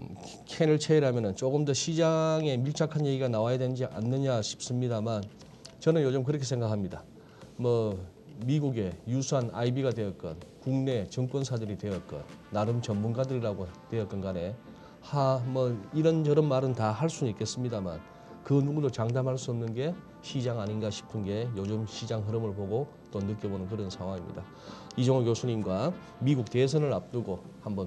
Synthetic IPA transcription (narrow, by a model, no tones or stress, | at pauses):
kʰenɯɭt͡ɕʰeiɾɭɦamjʌnɯnt͡ɕ͈oɡɯmdʌɕʰid͡ʑaŋe̞miɭt͡ɕʰakʰanje̞ɡiɡanawajadwe̞nd͡ʑiʔa̰nːɯɲaɕʰi̥p̚s͈ɯmɲidaman | t͡ɕʌnɯnjod͡ʑɯmk̬ɯɾʌkʰe̞sʰe̞ŋɡakʰamɲida̰ | mʌ | miɡuɡe̞jusʰuanʔa̰ibiɡadwe̞jʌt̚k͈ʌ̰nkuŋne̞t͡ɕʌŋk͈wʌnsʰadɯɾidwe̞jʌt̚k͈ʌ̰nːaɾɯmt͡ɕʌnmunɡadɯɾiɾaɡotwe̞jʌt̚k͈ʌnɡane̞ | hamʌniɾʌnd͡ʑʌɾʌnmaɾɯntahaɭs͈unik͈ʰe̞s͈ɯmɲidama̰n | kɯnuŋdot͡ɕaŋdamɦaɭs͈uʌmnɯnɡe̞ | ɕʰid͡ʑaŋaɲinɡaɕʰi̥pʰɯnɡe̞jod͡ʑɯmɕʰid͡ʑaŋɦɯɾɯmɯɭpoɡo | t͈onɯk͈ebonɯnk̬ɯɾʌnsʰaŋwaŋimɲḭda | id͡ʑʌŋokjosʰuɲimɡwa | miɡuk̚te̞s̬ʰʌnɯɾap̚t͈uɡo | hambʌn